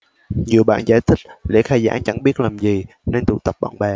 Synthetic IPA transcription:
ɲi˨˩əɓa̰ː˧˨nzaː˧˩jt̪ʰï˦˥k̟̚lɛ̰˧˥xaː˧jza̰ː˧˥ŋt͡ɕa̰˧˥ŋɓi˦˥ət̚laː˨˩mzi˨˩ | ne˧nt̪ṵ˧˨t̪ə˨˩p̚ɓa̰ː˧˨nɓɛ˨˩

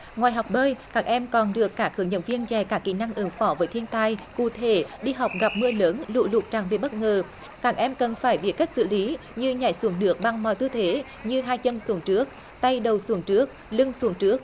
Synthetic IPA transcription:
ŋwaː˨˩jɦa˨˩wk͡p̚ɓəː˧jkaː˦˥k̚ʔɛ˧mkɔ˨˩nɗɨ˨˩əkːaː˧˥kxɨ˧˩ŋɲə̰˧˥nvi˧ənt͡ɕɛ˨˩kaː˦˥kːḭ˧˨na˧ŋʔɨ˨˦ŋfɔ˧˦vəː˨˦jt̪ʰi˧ənt̪a˧jkṵ˧˨t̪ʰe˧˩ɗi˧ɦa˨˩wk͡p̚ɣa˨˩p̚mɨ˧ələː˨˦nlṵ˧˨lu˨˩t̚t͡ɕaː˨˩ŋve˨˩ɓə˦˥t̚ŋəː˨˩ | kaː˦˥k̚ʔɛ˧mkə˨˩nfaː˧˩jɓḭ˧˩əka˦˥k̚sɨ̰˧˨li˨˦ | ɲɨ˧ɲa̰ː˧˩jsu˨˦əŋɗɨ˨˦˥ək̚ɓa˨˩ŋmɔ˨˩jt̪ɨ˧t̪ʰe˨˦ | ɲɨ˧ɦaː˧jt͡ɕə˧nsu˨˦əŋt͡ɕɨ˦˥ək̚ | t̪a˧jɗə˨˩wsu˨˦əŋt͡ɕɨ˦˥ək̚lɨ˧ŋsu˨˦əŋt͡ɕɨ˦˥ək̚

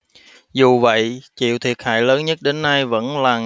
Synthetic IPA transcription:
zu˨˩və̰˧˨jt͡ɕḭ˧˨əwt̪ʰi˨˩ət̚ha̰ː˧˨jləː˨˦nɲə˦˥t̚ɗe˨˦nːa˧jvə̰˧˥nlaː˨˩

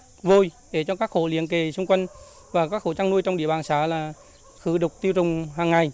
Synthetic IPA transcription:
vo˧˩jɗe˧˩t͡ɕɔ˧kaː˦˥k̚xo˧˩lḭ˧˨ənke˨˩sʊ˧ŋ͡mkwə˧jŋ | vaː˨˩kaː˦˥k̚xo˧˦t͡ɕa˧ŋnu˧əjt͡ɕɔ˧ŋ͡mʔɗi˧əɓaː˨˩nsaː˨˦laː˨˩ | xɨ˧˨˦ɗʊ˨˩k͡p̚t̪i˧wzʊ˨˩ŋ͡mɦaː˨˩ŋːa˨˩j

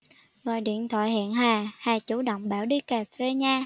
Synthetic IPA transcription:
ɣɔ̰˧˨jɗḭ˧˨ənt̪ʰwa̰ː˧˨jha̰ː˧˨nhaː˨˩haː˨˩t͡ɕu˧˦ɗə̰˧˨wŋ͡mɓaː˧˩wɗi˧kaː˨˩fe˧ɲaː˧

